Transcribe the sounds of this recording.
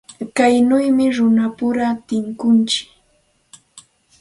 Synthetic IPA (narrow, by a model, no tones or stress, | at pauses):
kajnʊjmɪɾʊnapʊɾat̪ɪŋkʊnt͡ʃɪ̥k